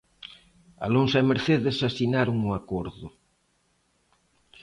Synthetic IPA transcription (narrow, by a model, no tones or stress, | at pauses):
a̰lonsaemeɾθeðesasinaɾʊŋʊakoɾðʊ